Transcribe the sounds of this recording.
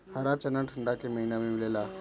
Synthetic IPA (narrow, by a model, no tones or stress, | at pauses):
həɾat͡ɕənaʈʰəɳɖakiməɦinamimilela